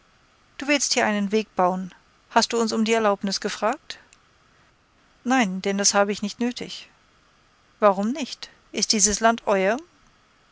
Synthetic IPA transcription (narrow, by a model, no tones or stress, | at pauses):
d̥uːvɪlstd̥iːɐʔaɪnənveːk̚b̥aʊən | hast̚d̥uːʊnsʊmdiːɛɐlaʊpnɪsɡ̥əfʁ̥aːk̚t | naɪnd̥ɛnd̥ashaːbəɪçnɪçtnøːtʰɪ̰ç | vaʁʊmnɪçt | ʔɪst̚d̥iːzəslantʰʔɔʏɐ